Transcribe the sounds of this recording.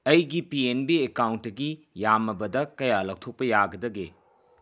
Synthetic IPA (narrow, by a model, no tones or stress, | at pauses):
ɐjɡipienbiekawntːɐɡi | jamɐbɐdɐkɐjalak̚tʰok̚pɐjaɡɐdɐɡḛ